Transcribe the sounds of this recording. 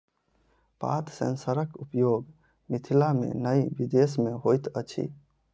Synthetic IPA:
pa̰t̪ʰsə̰nsəɾəkupjoɡ | mit̪ʰilamḛnəjbid̪esmeɦojt̪ə̰t͡ʃʰḭ

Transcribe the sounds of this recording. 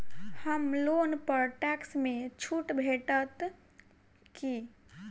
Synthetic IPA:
həmlonpəɾʈɛksmet͡ʃʰuʈbʱeʈət̪ | ki

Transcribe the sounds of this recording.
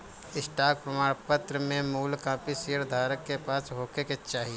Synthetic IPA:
ɪsʈaːk̚pɾəmaːɽ̃pət̪ɾəmẽmuːlkãːpisiːəɾd̪ʱaːɾəkːepaːsɦoːkeket͡ʃaːɦie

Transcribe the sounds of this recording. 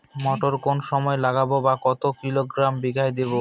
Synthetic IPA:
mɔʈoɾkonʃɔmɔelaɡabobakɔt̪okiloɡɾambiɡʱaed̪eβo

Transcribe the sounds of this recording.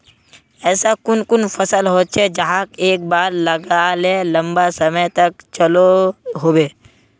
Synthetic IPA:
ɛːsakʊnkʊnfɐsəlɦoːt͡ʃʰed͡ʒɐɦãkeːk̚baːɾlɐɡalelɐ̃mbasɐməjt̪ɐk̚t͡ʃəloɦoːbeː

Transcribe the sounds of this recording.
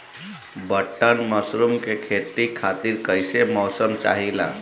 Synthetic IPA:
bəʈːənməsɾumkekʰeʈ̪ikʰat̪iɾkəjsemɔsəmt͡ʃa̰ɦila̰

